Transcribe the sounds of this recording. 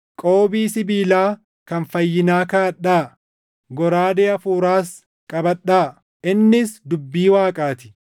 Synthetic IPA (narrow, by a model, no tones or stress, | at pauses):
kʼo̞ːbiːsɪbiːlaː | kɐnfɐjːɪnaːkaːɐᶑːaː | ɡɔɾaːd̪eːɐfuːɾaːs | kʼɐbɐɗːaː | ɪnːɪsd̪ʊbːiːwaːkʼaːt̪ɪ̥